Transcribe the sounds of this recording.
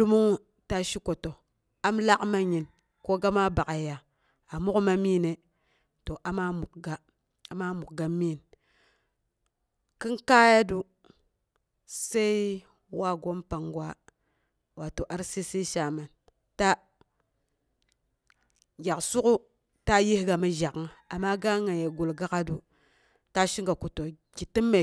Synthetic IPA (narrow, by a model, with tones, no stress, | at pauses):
du˦mu˦ŋ˦ | ta˦ʃi˦ko˨to˨ | a˦mla˦kma˦ɲi˨n | ko˦ɡa˦ma˦ba˨ka˨ja˨ | a˨mu˦kma˦mi˦ne˨ | to˨ʔa˨ma˦mu˨kɡa˨ | a˨ma˦mu˨k̚ɡa˨mi˦˨n | ki˦nka˦ja˦du˦ | se˦i˦ | wa˦ɡo˦mpa˨ŋɡwa˦ | wa˨to˨ʔa˦ɾsi˦si˦ʃa˨ma˨n | ta˦ | ɡʲa˨ksu˦ku˦ | ta˦ji˦hɡa˨mi˦ʒa˨kŋa˨a˨mːa˦ɡa˦ŋa˨je˨ɡu˨lɡa˦ka˦du˨ | ta˦ʃi˦ŋɡa˨ku˨to˨ | ɡi˨ti˦mːe˨